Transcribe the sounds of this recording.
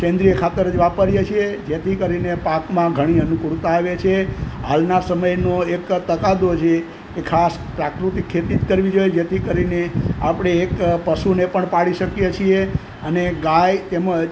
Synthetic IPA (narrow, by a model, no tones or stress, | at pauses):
kẽnd̪ɾijəkʰat̪əɾəd͡ʒʋapəɾjet͡ʃʰied͡ʒet̪ʰikəɾinepakmãɡʱəɽ̃iənukuɽt̪aːʋet͡ʃʰeɦa̰lnasəməjnoekt̪əkad̪ot͡ʃʰe | kekʰas | pɾakɾut̪ikʰːet̪it̪kəɾʋid͡ʒojed͡ʒet̪ʰikəɾineapɽ̃eːkpəsunepəɳpaɭiʃəkjet͡ʃʰie | əneɡajt̪emə